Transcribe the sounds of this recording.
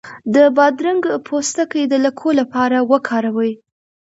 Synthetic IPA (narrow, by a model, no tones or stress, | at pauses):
d̪əbɑd̪ɾaŋɡpʰost̪akəjd̪əlakʰolapɑɾawəkʰɑɾawəj